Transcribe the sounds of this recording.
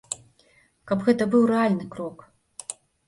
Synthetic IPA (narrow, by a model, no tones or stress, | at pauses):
kapɣɛt̪ɐbɨwrɛalʲnɨkɾɔk